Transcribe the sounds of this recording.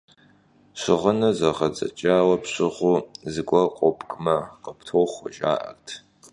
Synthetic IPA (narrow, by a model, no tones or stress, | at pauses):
ɕʷɪʁənɐzɐʁɐd͡zʼɐ̰t͡ʃʼaːwɐpʰɕʷɪʁʷuzɨɡʷɐqʷʼɔpʼkʼmɐqʼəpʰtʰoχʷʊʒʼa̰ːʔɐ̰rtʰ